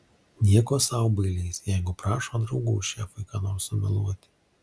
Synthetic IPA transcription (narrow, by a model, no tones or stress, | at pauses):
nʲiɛkoːsɑʊbɐɪlʲɛɪsjɛɪɡʊpɾɑːʃoːd̪ɾɒʊɡuʊʃʲæːfɐɪkɑnoːɾsʊmʲɛlˠuɔt̪ʲɪ̥